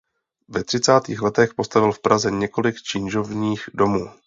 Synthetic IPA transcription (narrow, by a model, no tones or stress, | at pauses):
vɛt̪r̥ɪt͡saːt̪iːxlɛt̪ɛxpo̞st̪avɪlfpɾazɛɲɛko̞lɪkt͡ʃɪnʒo̞vɲiːxdo̞muː